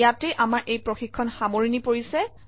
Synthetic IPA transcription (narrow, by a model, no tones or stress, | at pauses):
jatɛʔamaɹʔejpɹoxikʰːɔnxamoɹinipoɹisɛ